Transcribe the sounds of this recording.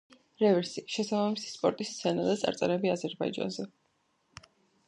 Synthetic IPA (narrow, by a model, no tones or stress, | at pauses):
ɾɛvɛɾsiʃɛsabamisi̥spʼɔ̰ɾt̪ʼist̪sʰɛnad̪at̪sʼa̰ɾt̪sʼɛɾɛbiazɛɾbaid͡ʒa̰nzɛ